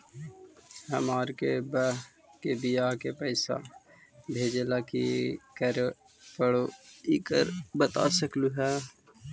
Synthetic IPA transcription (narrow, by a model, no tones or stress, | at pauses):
həmaːɾkeb | kebɪjaːɦkepɛɪsa̰ | bʱeːd͡ʒelakḭkəɾ | pəɽoiːkə̰ɾbət̪a̰səkluɦɛː